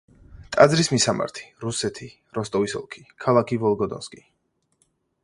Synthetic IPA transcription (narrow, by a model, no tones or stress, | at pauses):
t̪ʼad̪zɾismisama̰ɾt̪ʰi̥ɾusɛt̪ʰi | ɾɔst̪ʼɔvisɔ̰lˠkʰi̥kʰalˠakʰivɔlˠɡɔd̪ɔ̰nskʼi